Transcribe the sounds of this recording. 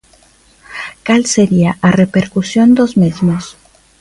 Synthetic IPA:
kalseɾiaʔarepeɾkusjo̞nd̪ozmezmos

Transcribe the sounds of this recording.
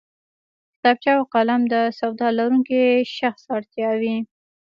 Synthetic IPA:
kɪ̥t̪ɑb̚t͡ʃɑwqalamd̪əsawd̪ɑlaɾuŋkiʃaxsɑɽt̪jɑwi

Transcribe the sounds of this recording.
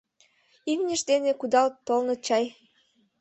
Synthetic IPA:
ilnʲəʃd̪enekud̪ɑlt̪olnɤ̆t͡ɕɑj

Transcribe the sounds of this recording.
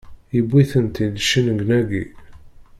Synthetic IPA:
ibːiθənt̪id̪ʃənɡnæɡi

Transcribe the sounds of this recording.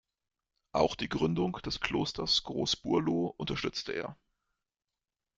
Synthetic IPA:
ʔaʊxd̥iːɡʁʏndʊŋd̥ɛskl̥oːstɐsɡ̥ʁo̰ːsb̥uɐloːʔʊntɐʃtʏt͡stʰəʔeːɐ

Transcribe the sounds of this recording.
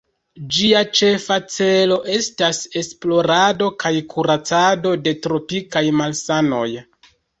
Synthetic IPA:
d͡ʒiat͡ʃe̞fat͡se̞lo̞ʔe̞stase̞splo̞ɾado̞kajkʰuɾat͡sado̞de̞tɾo̞pikajmalsano̞̰j

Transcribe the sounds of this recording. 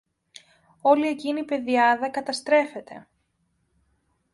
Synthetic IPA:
o̞lie̞cinipe̞ðiɐðɐkɐt̪ɐst̪ɾe̞fe̞t̪e̞̰

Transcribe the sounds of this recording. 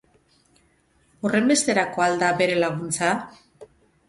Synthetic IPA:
ore̞mbe̞st̪e̞ɾako̞ald̪abe̞ɾe̞laɣ̞unt͡sa

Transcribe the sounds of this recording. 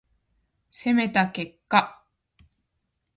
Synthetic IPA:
se̞me̞t̪ake̞kːa

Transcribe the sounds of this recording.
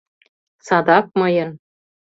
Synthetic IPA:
sɑd̪ɑk̚mɤjɤ̆n

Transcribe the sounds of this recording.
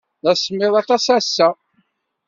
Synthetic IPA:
ðæsmːɪðˤɑt̪ɑsæsːæ

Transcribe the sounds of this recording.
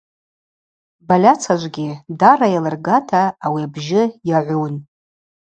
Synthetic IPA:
balʲat͡sʰaʒʷɡʲɪdarajalɨrɡatʰaːwiabʒɪjaʕʷun

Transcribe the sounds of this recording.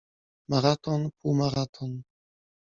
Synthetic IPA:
maɾat̪ʰɔnpʰumaɾat̪ʰɔn

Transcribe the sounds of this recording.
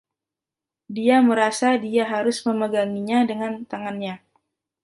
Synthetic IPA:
diaməɾasadiaɦaɾʊsməməɡaŋiɲadəŋant̪aŋanɲa

